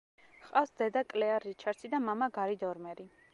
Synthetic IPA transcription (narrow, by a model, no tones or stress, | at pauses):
χqʼafsd̪ɛd̪akʼlɛaɾit͡ʃʰaɾt̪sʰid̪amamaɡaɾid̪ɔɾmɛɾi